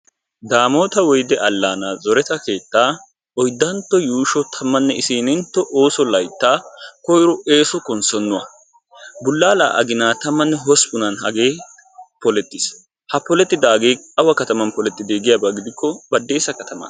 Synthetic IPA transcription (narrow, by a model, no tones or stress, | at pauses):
d̪aːmo̞ːt̪ɐwɔjd̪ɛʔɐlːaːnaːzɔɾɛt̪ɐke̞ːt̪ːaː | ɔjd̪ːɐnt̪ːɔjuːʃɔt̪ʰɐmːɐnːɛɪsiːnɪnt̪ːɔʔo̞ːsɔlɐjt̪ːaːkɔjɾɔe̞ːsɔkʼɔnsɔnːʊwɐ̰ | bʊlːaːla̰ːʔɐ̰ɡɪnaːt̪ɐmːɐnːɛɦɔspʊnɐnhɐɡeː | pɔlɛt̪ːɪs | hɐpɔlɛt̪ːɪd̪aːɡeːɐwɐkɐt̪ɐmɐnpɔlɛt̪ːɪd̪eːɡɪjabɐɡɪd̪ɪkʰːɔbɐd̪ːe̞ːsɐkɐt̪ɐmɐ̰n